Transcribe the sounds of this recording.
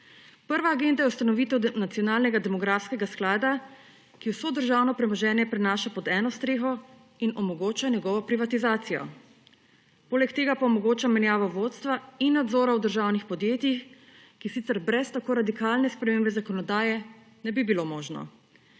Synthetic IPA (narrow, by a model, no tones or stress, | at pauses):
pəɾʋaːɡend̪ajɛwst̪anɔʋit̪ɛwnat̪sijɔnaːlnɛɡad̪ɛmɔɡɾaːfskɛɡasklaːd̪a | kiwsoːd̪əɾʒaːwnɔpɾɛmɔʒɛːnjɛpɾɛnaːʃapɔd̪ɛːnɔst̪ɾeːxɔ | inɔmɔɡoːt͡ʃanɛɡɔʋɔpɾiʋat̪izaːt̪sijɔ̰ | poːlɛkt̪eːɡapaɔmɔɡoːt͡ʃamɛnjaːʋɔʋot̪st̪ʋainːad̪zoːɾawd̪əɾʒaːwnixpɔd̪jeːt̪jix | kisit̪sɛɾbɾɛst̪akoːɾad̪ikaːlnɛspɾɛmeːmbɛzakɔnɔd̪aːjɛ | nɛbibilomoːʒnɔ̰